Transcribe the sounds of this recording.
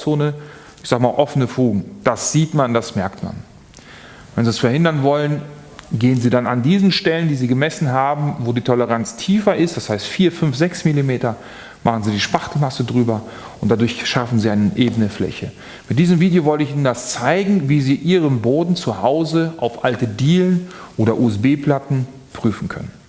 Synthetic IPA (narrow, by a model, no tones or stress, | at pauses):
t͡soːnə | ɪçz̥aːɡəmaːlʔɔfənəfuːɡŋ̩d̥asz̥iːtmandasmɛɐktma̰n | vɛnziːɛsfɛɐhɪndɐnvɔlən | ɡeːənziːdanandiːzn̩ʃtɛləndiːziːɡəmɛsn̩ɦaːbm̩voːdiːtʰɔləʁ̞ant͡stʰiːfɐʔɪstd̥ashaɪstfiːɐfʏnfz̥ɛksmilimeːtɐ | maχn̩ziːdiːʃpaχtl̩masədʁyːbɐ | ʔʊnt̚d̥adʊɐçʃafn̩ziːaɪnəʔeːbnəflɛ̰çə | mɪt̚d̥iːzəmviːdejoːvɔltəɪçʔiːnəndast͡saɪɡŋ̩viːziːʔiːʁ̞əmboːdn̩t͡suhaʊzəʔa̰ʊfʔaltədiːlənʔoːɾɐʔuːɛsb̥eːpl̥atn̩ | pʁ̥yːfn̩kʰœ̰nən